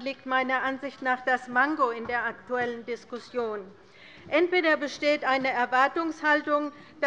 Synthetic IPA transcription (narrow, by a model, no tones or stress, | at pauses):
liːk̚tmaɪnɐʔanzɪçtnaːχd̥asmaŋɡoɪndeːɐʔak̚tuɛləndɪskʊsjoːn | ʔɛntv̥eːɾɐbəʃteːtʔaɪnəɛɐvaɐtʊŋshaltʊŋ | d̥